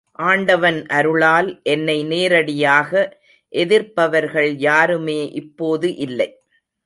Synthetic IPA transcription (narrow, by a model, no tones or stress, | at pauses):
ʔaːɳɖɐʋɐnʔɐɾɯɭaːlʔɛnːɐɪneːɾɐɽɪjaːɣɐ | ʔɛðɪɾpɐʋɐɾɣɐɭjaːɾɯmeːʔɪpːoːðɯʔɪlːɐɪ